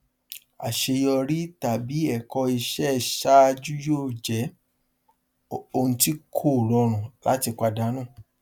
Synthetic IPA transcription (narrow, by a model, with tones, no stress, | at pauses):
a̰˨ʃe˧jɔ˧ɾi˦ta˨bi˨˦ɛ˦˨kɔ˧i˧ʃɛ˦˨ʃa˦˧d͡ʒu˦joː˦˨d͡ʒɛ˨˦ | o˧ũ˧ti˦kʰo˦˨ɾɔ˧ɾ̃ũ˨la̰˨˦ti˧k͡pa˧da˨˦nũ˦˨